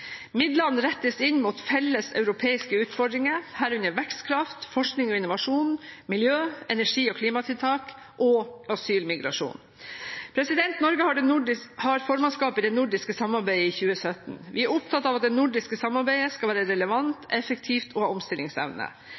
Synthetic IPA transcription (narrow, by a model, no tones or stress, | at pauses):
mɪd̪lɑnːɾɛt̪ːəsɪnmut̪fɛlːəsœ̰ʉɾʊpʰeːɪskəʉːt̪fɔɖɾɪŋəhæːɾʉnəɾʋɛkst̪kʰɾɑft̪fɔʂknɪŋɔɪnʊʋɑʂuːnmɪljøːɛnæʂiːɔkʰliːmɑt̪ʰɪlt̪ʰɑːk | ʔɔɑsyːlmɪɡɾɑ̰ʂṵːn | pʰɾɛsɪd̪ɛnt̪nɔɾɡəhɑɖɛhɑɾfoːɾmɑnskɑːpɪd̪ɛnʊɖɪskəsɑmɑɾbæɪəiçʉːəsœt̪n̩ʋɪæɾʊp̚t̪ʰɑt̪ːɑːʋɑt̪̚d̪ɛnʊɖɪskəsɑmɑɾbæɪəskɑlʋæːɾəɾɛləʋɑnt̪ʰɛfək̚t̪ʰiːft̪ʰɔhɑɔmst̪ɪlːɪŋsɛ̰ʋnə̰